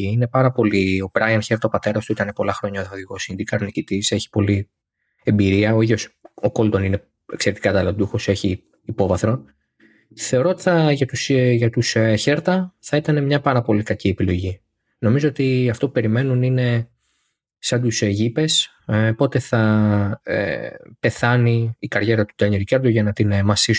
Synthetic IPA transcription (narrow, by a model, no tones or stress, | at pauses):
iine̞pɐɾɐpo̞lio̞pɾɐjɐnçeɾt̪ɐopɐt̪e̞ɾɐst̪uit̪ɐne̞po̞lɐxɾo̞ɲɐoðoðikosind̪ikɐɾonicit̪ise̞çi̥po̞li | e̞mbiɾiɐo̞iðjo̞soko̞lt̪o̞nine̞ | ekse̞ɾet̪i̥kɐt̪ɐlod̪uxose̞çiː | po̞vɐθɾo̞n | θe̞o̞ɾoot̪i̥θɐʝɐt̪usʝɐt̪usçe̞ɾt̪ɐθɐit̪ɐne̞mɲɐpɐɾɐpo̞likɐcie̞pilo̞ʝi | no̞mizo̞ot̪iɐft̪o̞p̚upe̞ɾime̞nunine̞ | sɐnd̪usʝipe̞s | po̞t̪e̞θɐ̰ | pe̞θɐniːkɐɾʝe̞ɾɐt̪u̥d̪ɐɲiɾicɐɾd̪uʝɐnɐt̪inmɐsis